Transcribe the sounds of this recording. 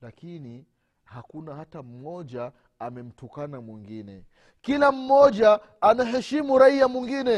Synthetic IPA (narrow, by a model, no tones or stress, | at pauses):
lakini | hakunahatam̩mɔʄa | amɛm̩tɔkanamwiŋɡinɛ | kilam̩mɔʄaː | naɦɛʃimuɾaiamwiŋɡinɛ